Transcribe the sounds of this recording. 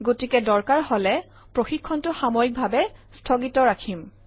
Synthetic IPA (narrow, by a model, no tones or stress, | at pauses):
ɡotikɛdɔɹkaɹholɛ | pɹoxikʰːɔntʊxamojik̚bʱabɛstʰoɡitɔɹakʰim